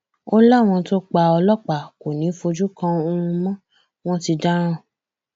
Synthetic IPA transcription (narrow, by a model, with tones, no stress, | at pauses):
o˦la˦˨w̃ɔ̃˧to˦k͡pa˧ɔ˧lɔ˦k͡pa˨ko˨nĩ˨˦fo˧d͡ʒu˦kã˧o˧ũ˧mɔ̃˦ | w̃ɔ̃˦ti˧da˦ɾ̃ã˦˨